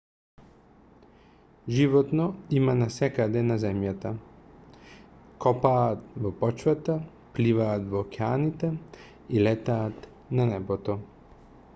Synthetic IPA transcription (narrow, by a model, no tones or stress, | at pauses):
ʒivɔt̪nɔimanasɛkad̪ɛnazɛmjat̪a | kɔpaːt̪vɔpɔt͡ʃvat̪a | plivaːt̪vɔːkɛanit̪ɛ | ilɛt̪aːt̪ | nanɛbɔt̪ɔ